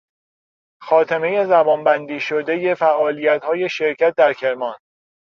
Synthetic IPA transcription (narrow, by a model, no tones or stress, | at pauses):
xɒːt̪ʰeme̞je̞zæbɒːnbænd̪iːʃod̪e̞je̞fæʔɒːlijæt̪hɒːje̞ʃe̞ɾcʰæt̪̚d̪æɾcʰe̞ɾmɒːn